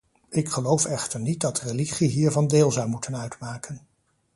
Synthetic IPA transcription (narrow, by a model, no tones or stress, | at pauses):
ɪkχəlowfɛχtəɹnit̚dɑtreliχiɦiːɹvɑndeːlˠzʌwmutʰənœɥtmaːkən